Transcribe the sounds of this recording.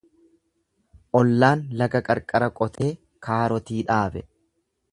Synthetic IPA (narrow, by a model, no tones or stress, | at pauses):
ʔɔlːaːnlɐɡɐkʼɐɾkʼɐɾɐkʼɔt̪e̞ː | kʰaːɾɔt̪iːᶑaːbɛ